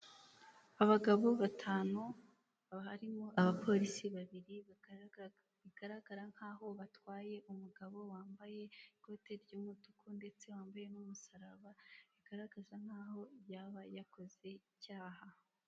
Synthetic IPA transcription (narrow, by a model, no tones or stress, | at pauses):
aβaɡaβo̞βatʰaːnu | haɾimoʔaβapʰo̞ɾisiβaβiɾi | iɡ̥aɾaɡ̥aɾaŋ̥haːɦo̞βatwaːje̞ʔumuɡaβo̞waːmbaje̞ikoteɾjuːmutukʰunde̞t͡se̞waːmbaje̞numusaɾaβaβiɡ̥aɾaɡazaŋ̥aːho̞βjaβajako̞ze̞icaːɦa